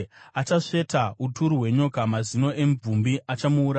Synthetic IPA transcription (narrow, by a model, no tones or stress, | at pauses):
at͡ʃaʂe̞tautuɾuɦwe̞ɲo̞kamazino̞ʔe̞mb͡vumbiʔat͡ʃamuːɾa